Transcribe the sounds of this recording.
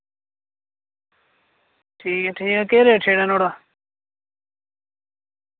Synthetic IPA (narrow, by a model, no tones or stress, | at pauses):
ʈʰiːkeʈʰiːkekeːɾeʈʰeːɽenoːɽa